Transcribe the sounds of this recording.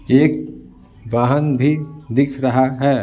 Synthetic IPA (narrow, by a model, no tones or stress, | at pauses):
eːk̚ | ʋaːɦənbʱid̪ɪkʰɾɐɦaɦɛː